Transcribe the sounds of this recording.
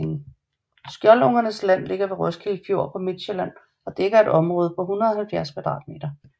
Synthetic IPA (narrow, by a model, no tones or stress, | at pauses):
ŋ̩ | sɡ̥jɒlɔŋɐnəslæn̰le̝ɡ̥ɐʋe̝ʁɔsɡ̥ilfjo̝ɐ̰pʰɒ̽med̥ɕəlæn̰ | ɒ̽d̥eɡ̥ɐe̝ɾ̥ɒ̽mʁɔ̽ːð̞ˠəpʰɒ̽ɦunʁɐðˠɒhælfjæɐskʰʋæd̥ʁɑ̰̈ːd̥̚me̝̰ːd̥ɐ